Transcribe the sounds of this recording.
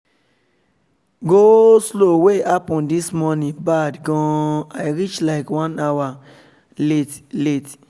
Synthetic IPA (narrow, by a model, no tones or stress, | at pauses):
ɡosloweʔapɔ̃ndismɔnĩbadɡɔ̃ajɾit͡ʃlaɪkwãnawa | letlet